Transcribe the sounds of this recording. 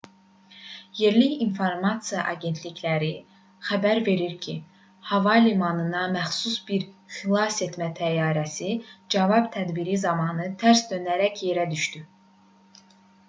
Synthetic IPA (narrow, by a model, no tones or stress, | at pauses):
je̞ɾliçinfoɾmɑt̪sɨjɑʔɑɟe̞nt̪ʰliçlæɾi | xæbæɾve̞ɾiɾcʰi | hɑvɑlimɑnɯnɑmæxsusbiɾχilˠɑse̞t̪mæt̪ʰæjɑːɾæsid͡ʒɑvɑbt̪ʰæd̪biɾizɑmɑːnɯt̪ʰæɾsd̪ønæɾæcje̞ɾæd̪yʃt̪y